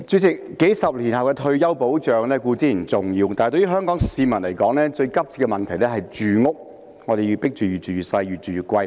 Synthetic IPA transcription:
t͡ʃyː˨˧˥t͡sɪ˨kːe˨˥jsɐ˨p̚liː˨˩nhɐ˨wkɛː˧t̪ʰɵ˧ɥjɐ˥wpo˨˥wt͡ʃœː˨ŋlɛː˥kuː˧t͡siː˨˥n̩˨˩t͡sʊ˨˩ŋjiː˧wt̪aː˨n˨jt̪ɵ˧˥jy˥ɦœː˥ŋkɔː˨˥ŋsiː˨˧mɐ˨˩nlɐ˨˩jkɔː˨˧˥ŋlɛː˥t͡ʃɵ˧ɥkɐ˥p̚t͡sʰiː˧t̚kːɛ˧mɐ˨nt̪ʰɐ˨˩jlɛː˥ɦɐ˨jt͡ʃyː˨ŋʊ˥k̚ | ŋɔː˨˧ɾe˨jiː˧pɪ˥k̚t͡ʃyː˨˩yː˨˩t͡ʃyː˨˩yː˨˩sɐ˧jjyː˨t̚t͡ʃyː˨jːt̚kʷwɐ˧j

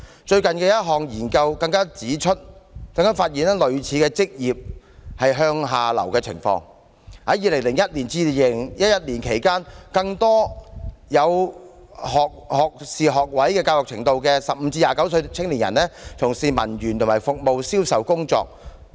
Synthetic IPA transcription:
t͡ʃɵ˧ɥkɐ˨nkɛː˧jɐ˥t̚ɦɔː˨ŋjiː˨˩nkɐ˧wkɐ˧ŋkaː˥t͡siː˨˥t͡ʃʰɵ˥t̚kɐ˧ŋkaː˥faː˧t̚jiː˨nɛ˥lɵ˨ɥt͡sʰiː˨˥kɛː˧t͡sɪ˥k̚jiː˨˩p̚ | hɐ˨jɦœː˧ŋɦaː˨lɐ̰˨˩wkɛː˧t͡sʰɪ̰˨˩ŋfɔ̰ː˧ŋ | ha˨˥jiː˨˧lɪ˨˩ŋlɪ˨˩ŋjɐ˥t̚liː˨˩nt͡siː˧˨˧lɪ˨˩ŋjɐ˥t̚jɐ˥t̚liː˨˩nkʰe˨˩jkaː˥nkɐ˧ŋt̪ɔː˥jɐ˨˧w | hɔː˨k̚hɔː˨k̚siː˨ɦɔː˨k̚wɐ˨˥jkɛː˧kaː˧wɔː˨k̚t͡sʰɪ˨˩ŋt̪o˨wkɛː˧sɐ˨p̚m̩˨˧t͡siː˧jaː˨kɐ˨˥wsɵ˧t͡sʰɪ˥ŋliː˨˩njɐ̰˨˩nːɛː˥t͡sʰʊ˨˩ŋsiː˨mɐ̰˨˩njyː˨˩nt̪ʰmaː˨˩fʊ˨k̚mo˨wsiː˥wsɐ˨˩wkʊ˥ŋt͡ʃɔ̰ː˧k̚

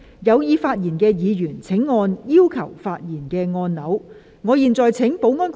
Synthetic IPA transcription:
jɐ˨˧wjiː˨˧faː˧t̚jiː˨˩nkɛː˧jiː˨˧jyː˨˩nt͡sʰɪ˨˥ŋːɔː˧njiː˥wkʰɐ˨˩wfaː˧t̚jiː˨˩nkɛː˧ŋɔː˧nnɐ˨˥w | ŋɔː˨˧jiː˨˩nt͡sɔː˨jt͡sʰɪ˨˥ŋpo˨˥wŋɔː˧˥nk

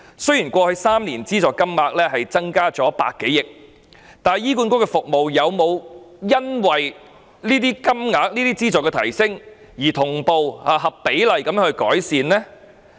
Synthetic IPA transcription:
sɵ˥ɥjiː˨˩nkʷɔː˧hɵ˧saː˥mniː˨˩nt͡siː˥t͡sɔː˨kːɐ˥mŋaː˨˥k̚lɛː˥ɦɐ˨jt͡sɐ˥ŋkaː˥t͡sɔː˨˦˥pa̰ː˧kːe˨˥jɪ˨k̚ | t̪aː˨n˨jiː˥ku˧nkʊ˥kɛ˧fʊ˨k̚mo˨wjɐ˨˧wmo˨˧wjɐ˥nwɐ˨j | niː˥t̪iː˥kɐ˥mŋaː˨˥k̚niː˥t̪iː˥t͡siː˥t͡sɔː˨˩kːɛ˧t̪ʰɐ˨˩jsɪ˥ŋ | jiː˨˩t̪ʰʊ˨˩ŋpo˨whaː˨˧ɦɐ˨ppe˨˥jlɐ˨jkɐ˨˥mjœː˥ŋɵ˧ɥkɔː˨˥jsiː˨˧nlɛː˥

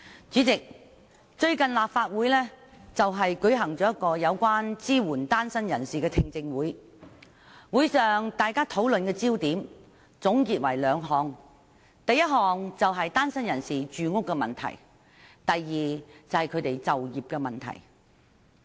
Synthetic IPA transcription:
t͡ʃyː˨˥t͡sɪ˨k̚ | t͡ʃɵ˧ɥkɐ˨nlaː˨p̚faː˧t̚wuː˨˥jlɛː˥t͡sɐ˨wɦɐ˨jkɵ˨˥ɥɦɐ˨˩ŋt͡ʃɔː˨˥jɐ˥kɔː˧jɐ˨˧wkʷaː˥nt͡siː˥wuː˨˩nt̪aː˥nsɐ˥njɐ˨˩nsiː˨kɛː˧t̪ʰɪ˧ŋt͡sɪ˧ŋwuː˨˥j | wuː˨˥jsœː˨ŋt̪aː˨jkaː˥t̪ʰo˨˥wlɵ˨nkɛː˧t͡siː˥wt̪iː˨˥m | t͡sʊ˨˥ŋkiː˨t̚wɐ˨˩jlœː˨˧˥ŋɦɔː˨˧ŋ | t̪ɐ˨jːɐ˥t̚ɦɔː˨ŋt͡sɐ˨wɦɐ˨jt̪aː˥nsɐ˥njɐ˨˩nsiː˨t͡ʃyː˨ŋʊ˥kːɛ˧mɐ̰˨˩nt̪ʰɐ̰˨˩j | t̪ɐ˨jːiː˨t͡sɐ˨˩whɐ˨jkʰɵ˨˧ɥt̪e˨jt͡sɐ˨wjiː˨p̚kɛ˧mɐ˨˩nt̪ʰɐ̰˨˩j

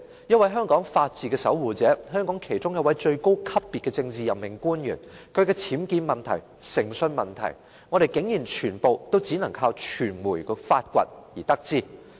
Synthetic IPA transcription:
jɐ˥n̚wɐ˨˥jɦœː˥ŋkɔː˨˥ŋfaː˧t̚t͡siː˨˩kɛː˧sɐ˨˥wwuː˨t͡sɛː˨˥ɦœː˥ŋkɔː˨˥ŋkʰe˨˩jt͡sʊ˥ŋjɐ˨˧wɐ˨˥jt͡ʃɵ˧ɥko˥wkʰɐ˥p̚ːiː˨t̚kːɛː˧t͡sɪ˧ŋt͡siː˨jɐ˨pmɪ˨ŋkuː˥njy̰ː˨˩nkʰɵ˨˧ɥkɛː˧t͡sʰiː˨˥mkiː˧nmɐ˨nt̪ʰɐ̰˨˩j | sɪ˨˩ŋsɵ˧nmɐ˨nt̪ʰɐ̰˨˩j | ŋɔː˨˧ɾe˨jkɪ˨˥ŋjiː˨˩nt͡ʃʰyː˨˩npo˨wt̪o˥wt͡siː˨˥nɐ˨˩ŋkʰaː˧wt͡ʃʰyː˨˩nmuː˨˩jfaː˧t̚kʷɐ̰˧t̚jiː˨˩t̪ɐ˥k̚t͡siː˥

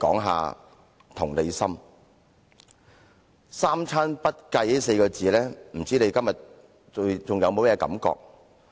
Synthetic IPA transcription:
kɔː˨˥ŋɦa̰ː˨˧ | t̪ʰʊ˨˩ŋle˨˧jsɐ˥m | saː˥mt͡sʰaː˥npɐ˥t̚kɐ˧jli˦˥se˧jkɔː˧t͡siː˨˧lɛː˥m̩˨˩t͡siː˥ne˨˧jkɐ˥mjɐ˨˩t̚ | t͡sʊ˨ŋjɐ˨˧wmo˨˧wmɛ˧kɐ̰˨˥mkɔ̰ː˧k̚

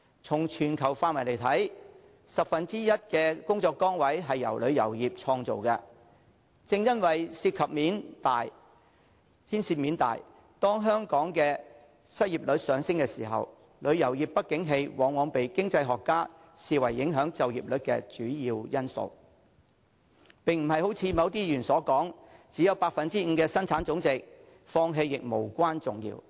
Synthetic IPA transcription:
t͡sʰʊ˨˩ŋt͡ʃʰyː˨˩nkʰɐ˨˩wfaː˧t̚mɐ˨˩le˨˩jt̪ʰɐ˨˥j | sɐ˨p̚fɐ˨nt͡siː˥jɐ˥t̚kɛː˧kʊ˥ŋt͡sɔː˧kːɔː˥ŋwɐ˨˥jɦɐ˨jːɐ˨˩wlɵ˨˧ɥjɐ̰˨˩wjiː˨p̚t͡ʃʰɔː˧ŋt͡so̰˨wkɐ˧ | t͡sɪ˧ŋjɐ˥nwɐ˨jsiː˧t̚kʰɐ˨p̚miː˨˥nt̪aː˨j | hʰiː˥nsiː˧t̚miː˨˥nt̪a̰ː˨˩j | t̪ɔː˥ŋɦœː˥ŋkɔː˨˥ŋkɛː˧ | sɐ˥t̚jiː˨˩p̚lɵ˨˧˥t̚sœː˨˧ŋsɪ˥ŋkɛː˧siː˨˩ɦɐ̰˨w | lɵ˨˧ɥjɐ˨˩wjiː˨˩pːɐ˥t̚kɪ˨˥ŋɦe˧jwɔː˨˧ŋwɔː˨˧ŋpe˨jkɪ˥ŋt͡sɐ˧jɦɔː˨kːaː˥ | siː˨wɐ˨˩jːɪ˨˥ŋɦœː˨˥ŋt͡sɐ˨wjiː˨p̚lɵ˨˥t̚kɛː˧t͡ʃyː˨˥jiː˧wjɐ˥nso̰˧w | pɪ˨˩ŋm̩˨˩ɦɐ˨jho˨˥wt͡sʰiː˧mɐ˨˧wt̪iː˥jyː˨˩nsɔː˨˥kɔː˨˥ŋt͡siː˨˥jɐ˨˧wpaː˧k̚fɐ˨nt͡siː˥ŋ̩˨˧kɛː˧sɐ˥nt͡sʰaː˨˥nt͡sʊ˨˥ŋt͡sɪ˨k̚ | fɔː˧ŋɦe˧jːɪ˨k̚mo˨˩wkʷaː˥nt͡sʊ̰˨˩ŋjḭː˧w

